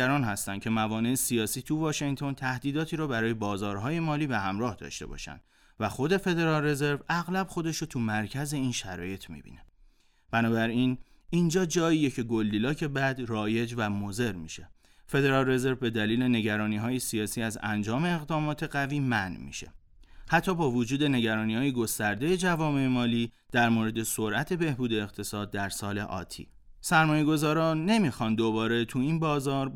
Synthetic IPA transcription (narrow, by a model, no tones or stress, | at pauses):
æɾɒːnhæst̪æn̚cʰe̞mævɒːne̞ːsijɒːsiːt̪ʰuvɒːʃeŋt̪ʰo̞nt̪ʰæhd̪iːd̪ɒːt̪ʰiːɾɒːbæɾɒːje̞bɒːzɒːɾɦɒːje̞mɒːliːbe̞hæmɾɒːhd̪ɒ̰ːʃt̪e̞̰bɒ̰ːʃæ̰nd̪̥ | væxo̞d̪e̞fe̞d̪e̞ɾɒːlre̞ze̞ɾvæɣlæb̥xo̞d̪eʃɾot̪ʰumæɾcʰæze̞iːnʃæɾɒ̰ːje̞t̪ʰmḭːbḭːne̞ | b̥ænɒːbæɾin | ind͡ʒɒːd͡ʒɒːiːje̞cʰe̞ɡo̞lːiːlɒːcʰe̞bæd̪rɒːje̞d͡ʒvæmoze̞ɾmiʃe̞ | fe̞d̪e̞ɾɒːlre̞ze̞ɾvbe̞d̪æliːle̞ne̞ɟæɾɒːniːɦɒːjesiɒːsiːæzæ̰nd͡ʒɒːme̞ːɣd̪ɒːmɒːt̪ʰe̞ɢæviːmænmḭʃe̞̰hæt̪ʰːɒːbɒːvod͡ʒuːd̪e̞ne̞ɟæɾɒːniːhɒːjeɡo̞st̪æɾd̪e̞je̞d͡ʒævɒːme̞emɒːliːd̪̥æɾmoːɾe̞d̪e̞soɾʔæt̪ʰe̞be̞hbuːd̪e̞ːɣt̪ʰe̞sɒːd̪̚ːæɾsɒːle̞̰ʔɒ̰ːt̪ʰḭː | sæɾmɒːjeɡo̞zɒːɾɒːne̞mixɒnd̪o̞bɒːɾe̞t̪ʰuinbɒːzɒːɾ